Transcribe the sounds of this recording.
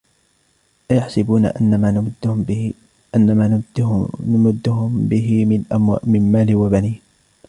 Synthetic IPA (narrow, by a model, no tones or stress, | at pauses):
ʔajaħsɪbuːna̰ʔaːd̪ | ʔanːamaː | amʊd̪ːʊhʊmbɪɦɪɪmɪnmaːlɪwabaniːh